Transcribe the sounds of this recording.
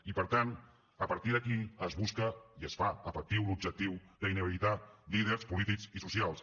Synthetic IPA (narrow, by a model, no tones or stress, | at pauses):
ipəɾt̪an | əpəɾt̪iðəkiəzβuskəiəsfaəfək̚t̪iwlub̚ʒək̚t̪iwðəinəβiit̪at̪liðəɾspulit̪ikzisusialˠs